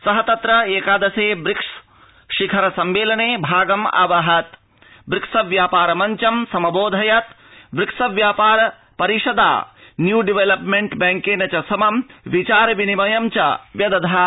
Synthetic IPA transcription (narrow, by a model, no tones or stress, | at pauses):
sɐɦɐt̪ɐt̪ɾɐeːkaːd̪ɐseːbɾikʂ | ʃikʰɐɾɐsɐmʋeːlɐneːbʱaːɡɐma̰ʋɐɦɐt̪ | bɾiksɐʋjaːpaːɾɐmɐɲt͡ʃɐmsɐmɐboːd̪ʱɐjɐt̪ | bɾiksɐʋjaːpaːɾɐ | pɐɾiʂɐd̪a̰ːnjuːɖiʋelɐpmeɳʈbɛŋkeːnɐt͡ʃɐsɐmɐmʋit͡ʃaːɾɐʋinimɐjɐmt͡ʃɐʋjɐd̪ɐd̪ʱaː